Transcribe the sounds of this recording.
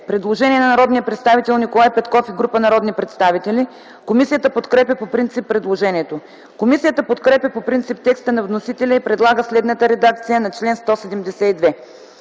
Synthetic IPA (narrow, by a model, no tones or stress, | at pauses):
pɾɛd̪lˠoʒɛniɛnɐnɐɾɔd̪niəpɾɛt̪st̪avit̪ɛlˠnikolˠajpɛt̪kɔfiɡɾupənɐɾɔd̪nipɾɛt̪st̪avit̪ɛlʲi | komisiət̪əpot̪kɾɛpʲəpopɾint̪sipːɾɛd̪lˠoʒɛniɛt̪o | komisijət̪əpot̪kɾɛpʲəpopɾint̪sip̚t̪ɛkst̪ənɐvnosit̪ɛlʲəipɾɛd̪lˠaɡəslɛd̪nət̪əɾɛd̪akt̪sijənɐt͡ʃlɛnst̪ɔsɛd̪ɛmd̪ɛsɛid̪vɛ